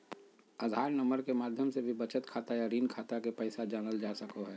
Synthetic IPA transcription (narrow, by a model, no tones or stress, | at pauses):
əd̪ʱaːɾnəməɾkemaːd̪ʱjəmsebʱibɐt͡ʃət̪kʰaːt̪ajaɾiːnkʰaːt̪akepɛɪsad͡ʒaːnəld͡ʒaːsəkoɦɛː